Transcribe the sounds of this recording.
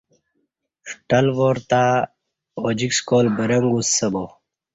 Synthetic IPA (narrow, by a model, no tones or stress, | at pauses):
fʈɐlʋoːɾt̪a | od͡ʑikskoːlbɐɾɐŋɡusɐbo